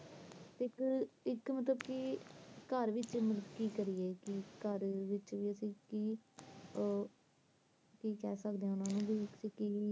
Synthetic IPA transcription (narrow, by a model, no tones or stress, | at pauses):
t̪eɪkɪkmət̪ləbkikəɾʋɪt͡ʃməəd̪kiːkəɾieːkɪkəɾʋɪt͡ʃʋiːəsĩːkiː | kiːkɛːsəkd̪eːãːʊnãːnũːbiːsiːkiː